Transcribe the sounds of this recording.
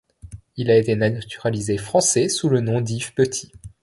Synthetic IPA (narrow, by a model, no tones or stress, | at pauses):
ilaet̪enat̪yʁalizefχɑ̃sɛsulənɔ̃d̪ifpət̪ʰi̥